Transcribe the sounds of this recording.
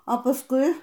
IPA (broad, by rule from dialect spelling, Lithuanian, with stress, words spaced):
ɐ pɐˈskʊɪ